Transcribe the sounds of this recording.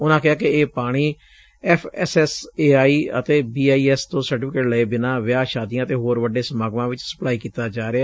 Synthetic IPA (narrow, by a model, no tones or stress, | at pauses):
ʊnãːkɪɦaːkeeːpaːɽ̃iː | ɛpʰɛ̰ːsɛːseːaːiːə̰t̪eːbiːaːiːɛːst̪õːsəɾʈɪːpʰɪkeːʈləeːbɪnãːʋɪjaːʃaːd̪ijãːt̪eːɦoːɾʋəɖeːsəmaːɡmãːʋɪt͡ʃsə̥plaːiːkiːt̪aːd͡ʒaːɾea